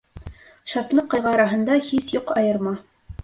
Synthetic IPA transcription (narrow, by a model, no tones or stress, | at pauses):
ʃɑt̪lˠɤqːɑ̆ʁɑɾɑɦɤ̆nd̪ɑhisjuqɑjɤ̆ɾmɑ